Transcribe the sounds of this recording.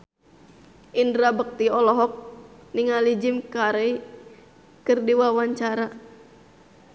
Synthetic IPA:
ʔindɾabək̚t̪iɔlɔɦɔk̚niŋalid͡ʒimkaɾəi | kɨrdiwawaɲt͡ʃaɾa

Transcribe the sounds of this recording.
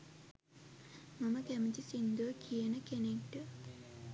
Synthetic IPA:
mɐmɐkɐmɐt͡ʃisind̪oːkʰijɐnɐkenekʈu

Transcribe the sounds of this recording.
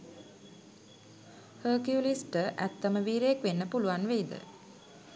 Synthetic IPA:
həːkjulisʈəʔæ̰t̪ːəməʋiːɾejekʋenːəpuluʋanʋeid̪ə̰

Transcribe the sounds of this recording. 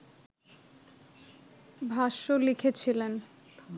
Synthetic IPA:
bʱaʃolikʰet͡ɕʰilen

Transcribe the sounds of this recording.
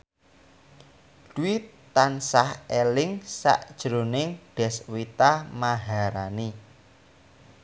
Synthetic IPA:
d̪̥uwi | t̪ansahelɪŋsa̰ʔd̥ʒ̥ɾonɪŋɖ̥ɛ̤swit̪amaɦaɾani

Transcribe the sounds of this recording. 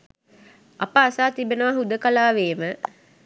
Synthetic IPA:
apəːsaːt̪ibenəʋaɦud̪əkalaːʋeːmə

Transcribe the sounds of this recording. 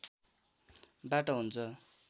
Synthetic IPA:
baʈʌɦunt͡sʰʌ

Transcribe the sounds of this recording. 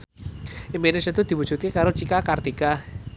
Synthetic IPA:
imenesat̪ud̪̥i̤wu̥d͡ʒ̥ut̪̚kekaɾot͡ʃikakart̪ika

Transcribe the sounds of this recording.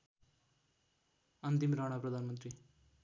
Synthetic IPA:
ʌnt̪imɾaɽ̃aprʌd̪ʱanmʌnt̪ɾi

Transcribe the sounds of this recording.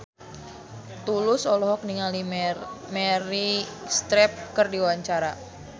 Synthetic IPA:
t̪ulʊsɔlɔɦɔk̚niŋalimɛɾist̪ɾɛp̚kɨrdiwaɲt͡ʃaɾa

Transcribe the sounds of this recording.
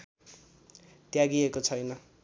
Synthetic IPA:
t̪jaɡiekot͡sʰʌjnʌ

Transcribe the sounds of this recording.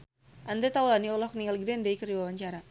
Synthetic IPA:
ʔand̪et̪awlaniɔlɔkniŋalɡdɛndaikəriwawaɲt͡ʃaɾa

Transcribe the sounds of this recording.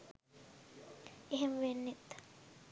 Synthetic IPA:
eɦemʋenːit̪ː

